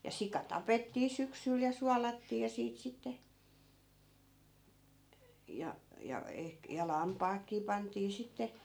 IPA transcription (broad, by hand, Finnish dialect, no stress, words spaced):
jɑ sikɑ tɑpetːiː syksyl jɑ suɑlɑtːiː jɑ siːt sitːe jɑ jɑ ehk jɑ lɑmpɑːkːiː pɑntiː sitːe